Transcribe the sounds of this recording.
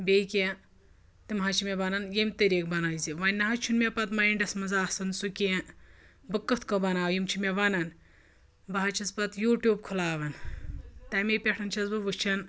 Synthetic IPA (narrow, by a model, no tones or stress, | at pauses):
bʲejkʲe | t̪imɦɐt͡ʃʰimʲebɐnɐnjemʲt̪ɐɾʲiːk̚bɐnajziʋɐnʲːɐɦɐt͡ʃʰunmʲepɐt̪mɐiɳɖɐsmɐzaːsɐnsukʲe | bɨkːɐt̪ʰkɐbɐnaːʋjimt͡ʃʰimʲeʋɐnɐn | bɐɦɐt͡ʃʰɐspɐt̪juːʈjuːb̚kʰulaːʋɐnt̪ɐmepʲeʈʰɐnt͡ʃʰɐzbɨʋɨt͡ʃʰɐn